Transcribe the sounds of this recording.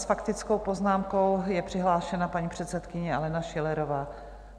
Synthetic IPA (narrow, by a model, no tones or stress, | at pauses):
sfakt̪ɪt͡skowpo̞znaːmko̞wjɛpr̥ɪɦlaːʃɛnapaɲipr̥ɛt̪sɛt̪kɪɲɛalɛnaʃɛlɛɾovaː